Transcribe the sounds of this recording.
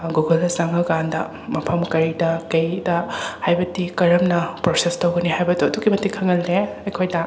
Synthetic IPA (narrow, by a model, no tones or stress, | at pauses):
ɡuɡɐlɐsaŋɐɡandɐ̰ | mɐpʰɐmkɐɾidɐkɐjdɐhajbɐtikɐɾɐmnɐpɾosestɐwɡɐniɦajbɐduɐduɡimɐtːikʰɐŋɐlːeɐjkʰojdɐ